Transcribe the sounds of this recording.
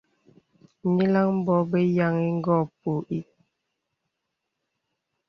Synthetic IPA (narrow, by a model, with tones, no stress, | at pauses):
ɲi˦la˦ŋm˦bɔ˦be˦ja˨ŋi˦ŋ̩˦ɡɔ˦˨po˨ʔi˦